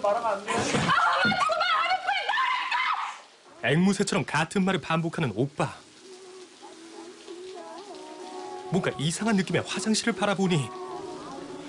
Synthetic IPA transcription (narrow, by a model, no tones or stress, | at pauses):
aɾaanɡe | eŋmusʰe̞t͡ɕʰʌɾʌmkatʰɯnmaɾɯɭpambokʰanɯnop͈a | mwʌnɡaʔisʰaŋɦanːɯk͈ime̞ɸwasʰaŋɕʰiɾɯɭpaɾaboɲi